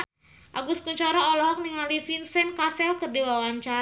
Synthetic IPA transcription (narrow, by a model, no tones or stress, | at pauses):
ʔaɡuskuɲt͡ʃaɾaɔlɔɦɔk̚niŋalifinsɛnkasɛlkərdiwawaɲt͡ʃaɾ